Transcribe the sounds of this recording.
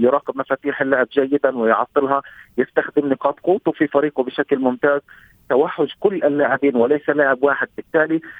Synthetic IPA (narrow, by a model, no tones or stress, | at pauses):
jʊɾˤɑːqɪbmafaːt̪iːħɪlːaʕɪbʒajːɪd̪anwɪjʕɑt̪ˤːɨlɦɑjɪst̪axd̪ɪmnɪqɑːt̪ˤquːt̪ʊfifɑɾiːqʊbɪʃaklmʊmt̪aːz | t̪awaħːʊʃkʊlːʔalːaːʕɪbiːnwɪlajsalaːʕɪbwaːħɪd̪̚bɪt̪ːaːli